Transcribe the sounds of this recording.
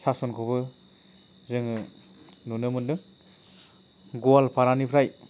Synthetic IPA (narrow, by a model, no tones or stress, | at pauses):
sasɔnkʰɔbɯ | zɯŋɯ | nunɯmɯndɯŋ | ɡɔalpaɾanipʰɾaj